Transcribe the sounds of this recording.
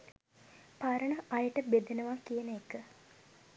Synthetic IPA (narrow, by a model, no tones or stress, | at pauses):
paɾəɳəʔɐjəʈəbed̪enəʋakijənəekə